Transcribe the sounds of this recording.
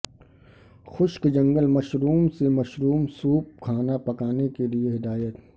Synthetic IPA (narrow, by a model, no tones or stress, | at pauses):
xʊʃkd͡ʒɐ̃ŋɡəlmɐʃɾuːmsemɐʃɾuːmsuːp̚kʰaːnapɐkaːnekelieɦɪd̪aːjət̪